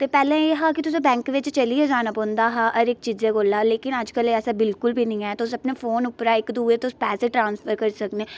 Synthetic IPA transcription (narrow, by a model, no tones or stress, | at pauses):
t̪eːpɛːlẽːeːɦãːkɪt̪ʊs̬ĩːbɛ̃ːŋkʋɪt͡ʃt͡ʃəliːeːd͡ʒaːnaːpɔ̃ːnd̪aːɦãːʔəɾɪkt͡ʃiːzeːkoːlaːleːkɪnəd͡ʒkəlɛːsaːbɪlkʊlbʱiːnəĩːɛːt̪eʊsəpneːfʰoːnʊpɾaːɪkd̪uːeːt̪ːʊspɛːseːʈɾãːnspʰəɾkəɾisəkneː